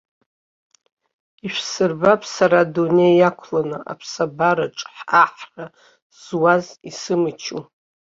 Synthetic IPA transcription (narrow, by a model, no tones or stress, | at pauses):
iʃᶣʷsɨrbapʼsaɾadune̞jakʷʰlanɨʔa̰pʰsabaɾaʈ͡ʂʼħaħra | z̥wazisɨmɨt͡ʃʰu